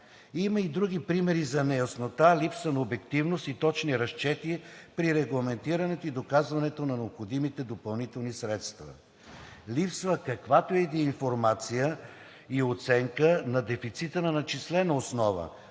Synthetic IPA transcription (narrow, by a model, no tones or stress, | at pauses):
iməid̪ɾuɡipɾimɛɾizɐnɛjɐsnot̪alipsvənɐobɛkt̪ivnost̪it̪ɔt͡ʃniɾɐʃt͡ʃɛt̪iɛpɾiɾɛɡlˠɐmɛnt̪iɾɐnɛt̪oid̪okazvɐnɛt̪onɐnɛopxod̪imit̪ɛd̪opɐlˠnit̪ɛlˠnisɾɛt̪st̪vɐ̰ | lipsvəkɐkvat̪oɛd̪iinfoɾmat̪sijə | iot̪sɛŋkənɐd̪ɛfit̪sit̪ənɐnɐt͡ʃislɛnəosnɔvə̰